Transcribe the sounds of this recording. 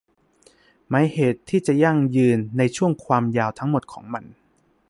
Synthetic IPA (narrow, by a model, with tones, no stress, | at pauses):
ma˦˥jheː˨˩˦t̪ʰːiː˥˩t͡ɕa˨˩ja˥˩ŋjɯː˧nːa˧jt͡ɕʰu˥˩əŋkʰwaː˧mjaː˧wt̪ʰa˦˥ŋmo˨˩t̪̚kʰɔː˩˦ŋma˧n